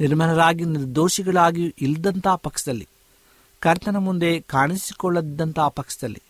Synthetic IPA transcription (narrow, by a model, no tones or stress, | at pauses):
niɾmɐnɐɾaːɡiniɾd̪oːʃiɡɐɭaːɡiʔild̪ɐnt̪aːpɐkʂɐd̪ɐlːi | kɐɾt̪ɐnɐmund̪e̞kaːɳisikɔɭːɐd̪ːɐnt̪aːpɐkʂɐd̪ɐlːḭ